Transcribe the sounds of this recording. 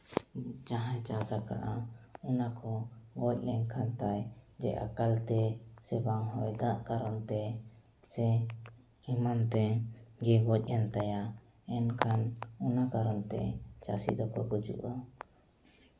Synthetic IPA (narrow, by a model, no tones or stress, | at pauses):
d͡ʒaɦãjt͡ʃasaka̰ʔaɔnakɔɡɔc̚ˀlɛŋkʰant̪ajd͡ʒɛ̰ʔa̰kalt̪ɛsɛbaŋɦɔjd̪aʔkaɾɔnt̪ɛ | sɛ | imant̪ɛɡɛɡɔc̚ˀɛnt̪aja | ɛnkʰanunakaɾɔnt̪ɛ̰t͡ʃasḭd̪ɔkɔɡud͡ʒṵʔa